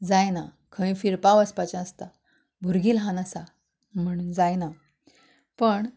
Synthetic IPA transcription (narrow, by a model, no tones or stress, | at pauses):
d͡zajna | kʰə̃ĩfiɾpaʋəspat͡ɕãəst̪a | bʱuɾɡiːlɦãnasa | m̤əɽ̃uːnd͡zajna | pəɳ